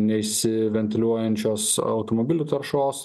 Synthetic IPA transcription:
nʲɛɪʃʲsʲɪʋʲɛnʲt̪ʲɪlʲuɔjɛnʲt͡ʃʲoːsɐʊt̪omobʲɪlʲuːt̪ɐɾʃoːs

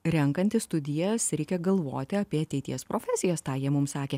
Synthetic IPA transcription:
ɾʲɛŋkɐnʲt̪ʲɪst̪ʊd̪ʲɪjɛsɾʲɛɪkʲɛɡɐlˠʋo̰ːt̪ʲɪɐpʲiɛɐt̪ʲɛɪt̪ʲḭɛspɾoːfʲɛsʲɪjɛst̪ɑːjiɛmʊmsɑːkʲeː

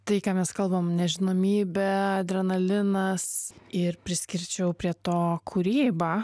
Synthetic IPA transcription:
t̪ɐɪkaːmʲɛskɐlˠbɐmnʲɛʒʲɪnoːmʲiːbʲɛd̪ʲɾʲɛnɐlʲɪnɐsɪɾpʲɾʲɪsʲkʲɪɾʲt͡ʃʲɛʊpʲɾʲiɛt̪oːkʰʊɾʲiːbɑ

